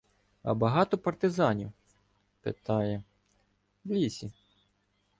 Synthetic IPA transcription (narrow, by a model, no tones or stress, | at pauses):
ɐ̰bɐɦɑt̪ɔpɐrt̪ɪzɑnʲiw | pḛt̪ɑjɛ | lʲisʲi